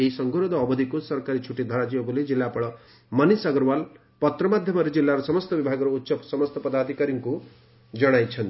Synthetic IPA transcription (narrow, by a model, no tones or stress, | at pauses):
eisʌŋɡʱuɾod̪ʱɔːbɔd̪ʱikusʌɾkaɾit͡ʃʰuʈːid̪ʱʌɾad͡ʒiɔbuled͡ʒilːapɔɭɔ | mʌnisaɡɔɾwal | pɔt̪ɾɔmad̪ʱjʌmɔɾed͡ʒilːaɾɔsɔmʌst̪ɔbibʱaɡɔɾout̪ːsʌpsɔmʌst̪ɔpɔd̪ad̪ʱikaɾiŋku | d͡ʒʌɽ̃ajt͡ʃʰʌnt̪i